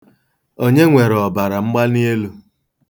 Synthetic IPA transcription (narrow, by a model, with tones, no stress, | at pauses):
o˦ɲe˦ŋʷe˨ɾɔ˨ba˨ɾa˨ŋ͡m̩˦ɡ͡ba˦ni˦e˦lu˦